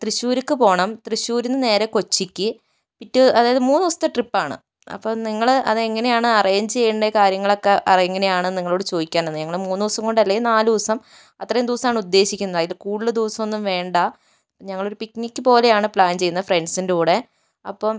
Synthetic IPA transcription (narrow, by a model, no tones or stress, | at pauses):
t̪riɕuːɾikːɨpo̞ːɳɐmt̪riɕuːɾinːɨne̞ːɾeko̞t͡ɕːikʲːɨ | pitːɨɐðaːjɐðɨmuːnːuʋɐsɐt̪ːeʈripːaːɳɨ̰ | ɐ̰pːoniŋːɐɭɐ̰ðɨeŋːɐne̞jaːɳɨɐrijɲt͡ɕe̞jːuɳɖekaːɾjɐŋːɐɭo̞kːeʔɐeŋːɐne̞jaːɳɨniŋːɐɭo̞ːɽɨt͡ɕo̞ːd̪ikʲːaːnenːɨɲɐŋːɐɭmuːnːiʋɐsɐŋko̞ɳɖɐlːɐjinaːld̪iʋɐsɐm | ɐt̪ːrɐjumd̪uʋɐsɐmaːɳɨud̪ːe̞ːɕikʲːunːɐðaːjilkuːɽilɨd̪uːɐsɐmo̞nːumʋe̞ːɳɖɐ | ɲɐŋːɐɭo̞ɾupiknikʲːɨpo̞ːle̞jaːɳɨpɭaːnt͡ɕe̞jːunːɐfre̞ɳɖsindeuːɽe̞ | ɐ̰pːom